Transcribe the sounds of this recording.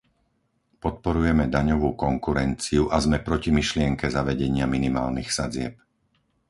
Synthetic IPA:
pɔt̪̚pɔɾujɛmɛd̪aɲɔʋuːkɔŋkuɾɛnt͡siuʔazmɛpɾɔcimiʃlɪɛŋkɛzaʋɛɟɛɲɪaminima̰ːlnixsad͡zɪɛp̚

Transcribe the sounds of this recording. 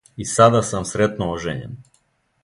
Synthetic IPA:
isad̪asamsɾet̪nooʒḛɲɛ̰n

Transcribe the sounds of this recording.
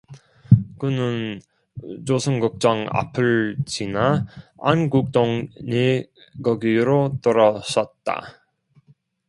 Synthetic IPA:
kɯnɯn | t͡ɕosʰɯŋɡuk̚t͡ɕ͈ʌŋa̰pʰɯɭd͡ʑinaanɡuk̚t͈oŋɲe | kʌɡiɾot͈ʌɾʌsʌt̚t͈a̰

